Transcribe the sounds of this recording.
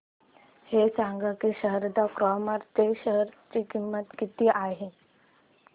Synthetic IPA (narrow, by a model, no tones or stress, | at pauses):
hesãŋɡakiɕəɦəɾd̪akɾɔməɾt̪eɕəɦəɾt͡ɕikimːət̪kit̪iːʔaɦe